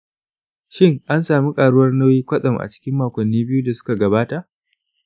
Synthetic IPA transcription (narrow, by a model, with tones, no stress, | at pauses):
ʃɪ˦ŋʔa˦nsaː˨mi˦kʼaː˨ɽʊ˦wɐ˦rnɐ˦wjiː˦kʷɐ˦sʼɐ˨mʔa̰˨t͡ʃɪ̥˦kʲɪ˦mːaː˨kʷɐ˨nːiː˦bɪ˦juː˦da˨sʊ̥˦ka˨ɡɐ˨baː˦ta˨ʔ